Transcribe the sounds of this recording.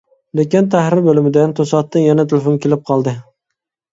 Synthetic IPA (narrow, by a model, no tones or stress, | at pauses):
lekʲɪnt̪ʰahɾɪɾbolɪmɪd̪ant̪ʰosɒt̪ːɪnjanat̪ʰɪlefonkʲʰe̞lɪp̚qʰɒlˠd̪ɪ